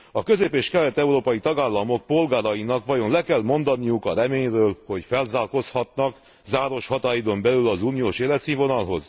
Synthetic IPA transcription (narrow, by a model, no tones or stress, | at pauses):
ɒkø̞zeːpeːʃkɛlɛt̪ɛuɾoːpɒjit̪ɒɡaːlːɒmo̞k̚po̞lɡaːɾɒjinɒkʋɒjo̞nlɛkɛlmo̞nd̪ɒnijukɒɾɛmeːɲrøːlho̞cfɛlzaːlko̞shɒt̪nɒk | zaːɾo̞ʃhɒt̪aːjid̪o̞mbɛlylɒzuːnijoːʃeːlɛt̪siːɱvo̞nɒlɦo̞z